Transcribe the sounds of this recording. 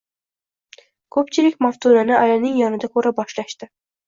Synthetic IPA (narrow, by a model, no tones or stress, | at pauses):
kʰɵpt͡ʃʰɪlɪkʲmaft̪ʰunanɪajanɪŋjɒnɪd̪akʰɵɾabɒʃlaʃt̪ɪ